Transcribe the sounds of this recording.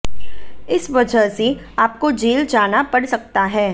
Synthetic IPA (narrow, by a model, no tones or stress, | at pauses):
ɪsʋɐd͡ʒʱəɦse | aːp̚kod͡ʒeːld͡ʒaːnapɐɽsɐk̚t̪aɦɛː